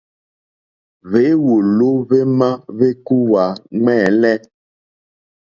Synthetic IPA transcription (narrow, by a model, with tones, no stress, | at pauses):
ve˨˦wo˨lo˦ve˦mã˦ve˦ku˦wa˨ŋ͡mɛː˦˨lɛ˦